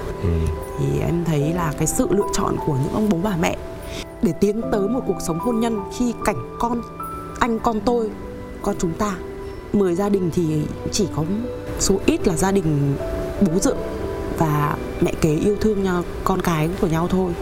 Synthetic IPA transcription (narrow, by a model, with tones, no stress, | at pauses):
t̪ʰi˨˩ʔɛ̰˧mt̪ʰə˨˦jlaː˨˩kaː˨˦jsɨ̰˧˨lɨ̰˧˨ət͡ɕɔ̰˧˨nku˧˩əɲɨ̰˧˥ŋʔə˧wŋ͡mɓo˨˦ɓaː˧˩mɛ̰˧˨ | ɗe˧˩t̪i˨˦ənt̪əː˨˦jmo˨˩t̚ku˨˩ək̚sə˨˦wŋ͡mho˧nɲə˧nxi˧ka˧˩jŋ̟kɔ˧n | ʔa˧jŋ̟kɔ˧nt̪o˧j | kɔ˧nt͡ɕʊ˨˦ŋ͡mt̪aː˧ | məː˨˩jzaː˧ɗï˨˩ŋ̟t̪ʰi˨˩t͡ɕi˧˩kɔ˨˦so˨˦ʔi˦˥t̚laː˨˩zaː˧ɗï˨˩ŋ̟ɓo˨˦zɨ̰˧˨əŋvaː˨˩ | mɛ̰˧˨ke˨˦ʔi˧əwt̪ʰɨ˧əŋt͡ɕɔ˧ | kɔ˧nkaː˨˦jku˧˩əɲa˧wt̪ʰo˧j